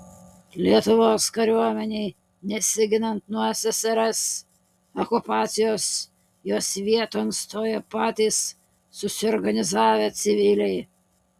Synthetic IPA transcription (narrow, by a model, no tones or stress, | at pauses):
lʲiɛt̪ʊʋoːskɐɾʲuɔmʲɛnʲɛɪ | nʲɛsʲɪɡʲɪnɐnt̪nuɔsʲɛsʲɛɾɛs | ɔkʊpɑːt̪sʲɪjoːs | joːsʋʲiɛt̪oːnst̪oːjɛpɑːt̪ʲiːsː | ʊsʲɪɔɾɡɐnʲɪzɑːʋʲeːt̪sʲɪʋʲɪlʲɛɪ